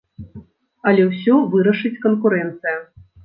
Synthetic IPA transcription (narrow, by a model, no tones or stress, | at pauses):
ɐlʲɛwsʲɔvɨɾɐʂɨt͡sʲkɐnkuɾɛnt̪sɨjɐ